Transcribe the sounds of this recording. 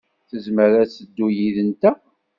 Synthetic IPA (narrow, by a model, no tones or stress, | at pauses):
θəzməɾæsəd̪ːujiðənt̪æ